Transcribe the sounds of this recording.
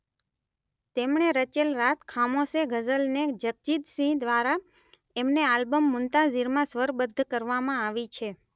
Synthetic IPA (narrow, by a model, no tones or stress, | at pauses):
t̪emɳeɾət͡ʃelɾat̪̚ʰkʰamoseɡʱəzəlned͡ʒək̚t͡ʃit̪sĩd̪ʋaɾa | emnealbəmːʊnt̪aziɾmãsʋəɾbəd̪ʱːkəɾʋamãaʋit͡ʃʰe